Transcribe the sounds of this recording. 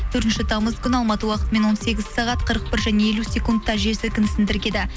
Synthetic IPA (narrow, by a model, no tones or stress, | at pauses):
ɵɾt̪ɪnʃɪt̪ʰɑməzkʲʏnɑlˠmɑt̪əwɑqət̪əme̞nwo̞nse̞ɡʲɪzsɑʁɑt̪qʰəɾəq̚pɪɾʒæne̞e̞lusʲe̞kund̪t̪ʰːɑʒesɪkʲɪnsɪnd̪ɪɾɡʲe̞d̪ɪ